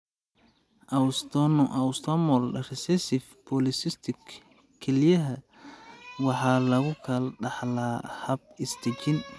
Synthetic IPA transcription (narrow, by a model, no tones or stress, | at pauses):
ʔɐwst̪ɔnʔɐwst̪ʰɔmɔlrɪsɛsɪfpʰɔlɪsɪst̪ʰɪk | kʰːɛlɪjɐɦɐ | wɑħɑːlɐɣʊkʰɐlɖɑħlɐhɐb̚ɪst̪ɛt͡ʃɪn